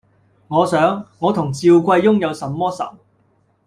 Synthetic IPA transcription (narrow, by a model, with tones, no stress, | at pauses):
ŋɔː˨˧sœː˨˥ŋːɔː˨˧t̪ʰʊ˨˩ŋt͡siː˧wkʷɐ˧jːʊ˥ŋjɐ˨˧wsɐ˨˥mːɔː˥sɐ̰˨˥m